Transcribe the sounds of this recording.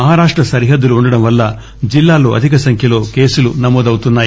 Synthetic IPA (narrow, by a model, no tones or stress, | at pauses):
ɐɦaːɾaːʂʈɾɐsɐɾiɦɐd̪ːuluuɳɖɐɽɐmʋɐlːɐ | d͡ʒilːaːlo̞ːʔɐd̪ʱikɐsɐŋkʰjɐlo̞ːke̞ːsulunɐmoːd̪ɐwut̪unːaːji